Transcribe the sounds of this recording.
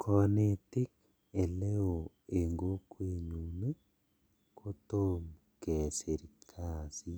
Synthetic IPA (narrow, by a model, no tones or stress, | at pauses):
kʰɔnetik | eleoeŋɡokweɲuːme | kʰotom | keseɾikʰasi